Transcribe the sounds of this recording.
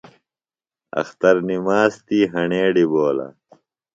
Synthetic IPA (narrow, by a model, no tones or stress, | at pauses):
ɐ̰xt̪ɐɾnimaːst̪iːɦɐɳeːɖiboːlɐ̰